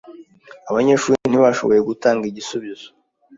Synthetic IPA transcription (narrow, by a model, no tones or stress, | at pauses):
aβaɲe̞ːʃuːɾin̥iβaʃo̞βo̞je̞ɡutaːŋɡiɟisuβizo